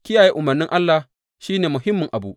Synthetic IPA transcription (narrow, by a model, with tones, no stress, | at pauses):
kʲɪ˦jaː˨jeː˦ʔʊ˨mɐ˨rnɪ˦ŋʔa˦lːa˨ | ʃiː˦neː˨mʊ˨ɦɪ˦mːʊ˨ŋʔa˨bṵ˦ʔ